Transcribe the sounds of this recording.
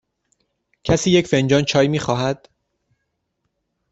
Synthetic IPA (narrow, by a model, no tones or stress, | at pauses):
cʰæsiːje̞cfend͡ʒɒːnt͡ʃʰɒːjmiːxɒːɦæd̪̥